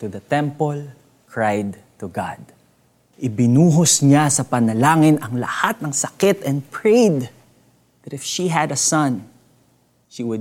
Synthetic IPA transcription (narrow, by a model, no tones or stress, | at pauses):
t̪uðɐt̪ɛ̃mpol | kʰɹajd̪̚ | t̪uɡa̰d̪̚ | ʔɪbɪnuːɦosɲasɐpɐnɐlaːŋɪnɐŋlɐ̰hat̪̚nɐŋsɐkɪt̪ɛ̃npɹejd̪ | ðɐt̪ɪfʃiɦɐd̪ɐsɐ̃n | ʃiwʊ